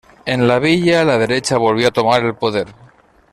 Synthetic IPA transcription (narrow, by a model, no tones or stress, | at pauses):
e̞nlaβ̞iʎalaðe̞ɾe̞t͡ʃaβ̞o̞lβ̞joat̪o̞maɾe̞lpo̞ðe̞ɾ